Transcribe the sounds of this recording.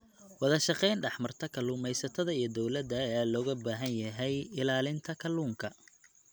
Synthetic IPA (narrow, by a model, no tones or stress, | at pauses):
wɑðɐʃɑqɛjnɖɑħmɐrt̪ʰɐkʰɐluːmɛjsɐt̪ʰɐðɐijɞd̪ɔwlɐd̪ɐjaːlɔːɣɐbaːɦɐnjɐɦɛjɪlaːlɪnt̪ʰɐkʰɐluːŋkʰɐ